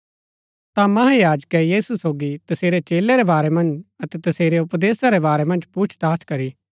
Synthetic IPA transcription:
t̪amɐɦãjaːd͡ʒkɛjiːsusoːɡit̪ɐseːɾet͡ʃeːleɾebaːɾɛmɐ̃nd͡ʒɐt̪ɛt̪ɐseːɾeʊpd̪eːsaɾɛbaːɾɛmɐ̃nd͡ʒpuːt͡ʃʰd̪aːskɐɾi

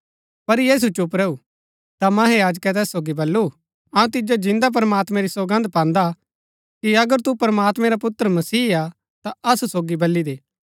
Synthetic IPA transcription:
pɐɾjeːs̬ut͡ʃʊp̬ɾɛːu | t̪amɐ̃ːɦejaːd͡ʒkɛt̪̬ɛːsːoːɡibɐlːu | ɐũt̪ɪd͡ʒod͡ʒɪ̃nd̪ap̬ɾəmaːt̪mɛ̃ɾisɐɡə̃nd̪̚pãːnd̪a | kiɐɡəɾt̪upɐɾəmaːt̪mɛ̃ɾapʊt̪ːəɾəmɐsiːa | t̪aɐsusoːɡibɐlːid̪eː

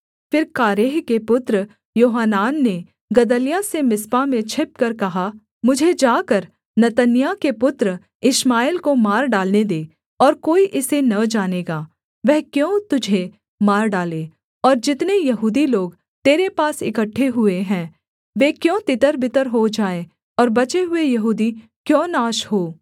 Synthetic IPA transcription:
fɪɾkaːɾeːɦkepʊt̪ɾ | joːɦanaːnːe | ɡɐd̪əlijasemɪspamẽt͡ʃʰɪp̚kɐɾkɐɦa | mʊd͡ʒʱed͡ʒaːkəɾ | nɐt̪ənjakepʊt̪ɾ | ɪʃmaːɪlkomaːɾɖaːlned̪eː | ɔːɾkoːiʔɪsenɐd͡ʒaːneːɡaː | ʋɛɦkjõːt̪ʊd͡ʒʱe | maːɾɖaːleː | ɔːɾd͡ʒɪt̪nejɐɦuːd̪iloːɡ | t̪eːɾepaːsɪkəʈʰːeɦʊeɦɛ̃ː | ʋeːkjõːt̪ɪt̪əɾbɪt̪əɾɦod͡ʒaːe | ɔːɾbɐt͡ʃeɦʊejɐɦuːd̪i | kjõːnaːʃhoː

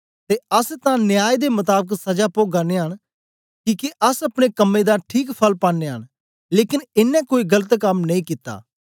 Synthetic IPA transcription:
t̪eːəst̪ãnɪjaːjd̪emʊt̪aːbəksɐd͡ʒaːpoːɡaːneɦən | kiːkeʔəsɐpɽ̃ekəmːed̪aʈʰiːkpʰəlpãːnːeːɦən | leːkɪnɪnːɛ̃koːiɡələt̪kəmnɐĩkit̪ːa̰ː

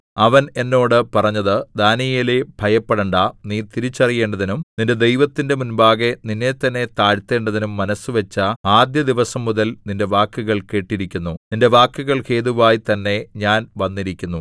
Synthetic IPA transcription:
ɐʋɐne̞nːo̞ːɽɨpɐrɐɲːɐðɨd̪aːnijilebʱɐjɐpːeɽɐɳɖaniːt̪iɾit͡ɕːɐrije̞ːɳɖɐðinumninde̞d̪e̞jʋɐt̪ːinde̞munbaːɣe̞ninːet̪ːɐnːe̞t̪aːɻt̪ːe̞ːɳɖɐðinumːɐnɐsuʋet͡ɕːɐaːd̪jɐd̪iʋɐsɐmːuðɐlninde̞ʋaːkːuɣɐɭke̞ːʈːiɾikʲːunːuninde̞ʋaːkːuɣɐɭke̞ːðuʋaːjit̪ɐnːe̞ɲaːnʋɐnːiɾikʲːunːu

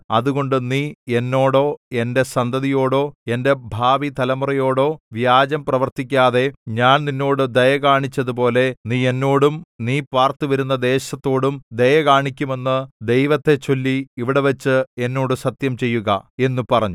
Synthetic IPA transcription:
ɐðuɣo̞ɳɖɨniːe̞nːo̞ːɽo̞ːe̞nde̞sɐnd̪ɐðijo̞ːɽo̞ːe̞nde̞bʱaːʋit̪ɐlɐmɐrɐjo̞ːɽo̞ːʋjaːd͡ʑɐmprɐʋɐrt̪ik̬ʲːaːðe̞ɲaːnninːo̞ːɽɨd̪ɐjɐkaːɳit͡ɕːɐðupo̞ːle̞niːe̞nːo̞ːɽumniːpaːrt̪uʋɐɾunːɐd̪e̞ːɕɐt̪ːo̞ːɽumd̪ɐjɐkaːɳikʲːume̞nːɨd̪e̞jʋɐt̪ːe̞t͡ɕo̞lːiiʋiɽe̞ʋɐt͡ɕːɨe̞nːo̞ːɽusɐt̪jɐmt͡ɕe̞jːuɣɐ̰e̞nːupɐrɐɲːu

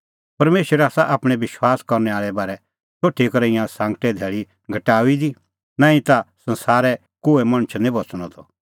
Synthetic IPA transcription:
pɐɾmeːʃɾɛaːsaʔaːpɽ̃ɛʋɪʃwaːskɐɾnɛaːɭɛbaːɾɛ | t͡ʃoːʈʰːikɐɾəɪ̃jãsãːŋɡʈɛd̪ʱɛːɭi | ɡʱɐʈaːʋid̪i | nãːĩt̪asɐ̃nsaːɾɛ | koːemɐɽ̃ət͡ʃʰnĩbɐt͡sɽ̃ɔt̪ʰɔ

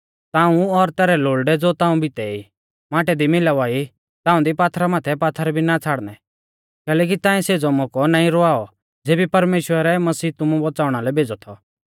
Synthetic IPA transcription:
t̪aːũɔɾt̪ɛːɾɛloːɭɖɛd͡zoːt̪ãːũbʱit̪ɛi | mãːʈɛd̪imɪlaʋaːi | t̪ãːũd̪ipaːt̪ʰɾamaːt̪ʰɛpaːt̪ʰɾɛbʱinat͡sʰaːɽnɛ | kɛːlɛːk̬it̪ãːɛ̃seːd͡zɔmɔkɔnãːĩɾɔaːɔ | d͡zeːbipɐɾmeːʃwəɾɛmɐsiːt̪ʊmũbɔt͡saːʊɽ̃alɛbʱeːd͡zɔt̪ʰɔ

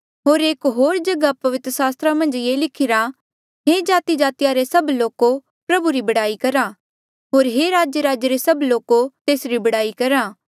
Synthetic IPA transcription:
ɦoːɾeːkɦoːɾd͡ʒɐɡapɐʋɪt̪ɾəsaːst̪ɾamɐ̃nd͡ʒjeːlɪkʰɪɾa | ɦed͡ʒaːt̪id͡ʒaːt̪ɪjaɾesɐbloːko | pɾɐbuɾibɐɽaːikɐɾa | ɦoːɾɦeɾaːd͡ʒjəɾaːd͡ʒɾesɐbloːkot̪eːsɾibɐɽaːikɐɾaː

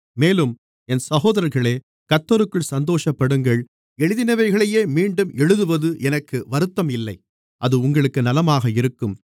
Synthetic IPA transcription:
meːlɯm | ɛnsɐɣoːðɐɾɐɾɣɐɭeː | kɐt̪ːɔɾɯkːɯɭsɐnd̪oːʂɐpːɐɽɯŋɡɐɭ | ɛɻɯðɪnɐʋɐɪɣɐɭɐjeːmiːɳɖɯmɛɻɯðɯʋɐðɯʔɛnɐkːɯʋɐɾɯt̪ːɐmɪlːɐɪ | ʔɐðɯʊŋɡɐɭɯkːɯnɐlɐmaːɣɐɪɾɯkːɯm

